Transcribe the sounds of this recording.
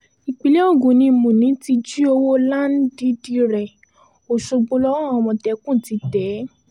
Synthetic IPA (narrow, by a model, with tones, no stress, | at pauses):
i˨k͡pi˨le˦o˦˨ɡũ˨nĩ˧mũ˨nĩ˨˦ti˧d͡ʒi˦o˧wo˦la˦˨n˦di˨˦di˦ɾɛ˨ | o˨ʃo˧ɡ͡bo˧lɔ˦wɔ̃˦˨ɔ˧wɔ̃˧tɛ˨˧˦kũ˦˨ti˨˦tɛ˨˦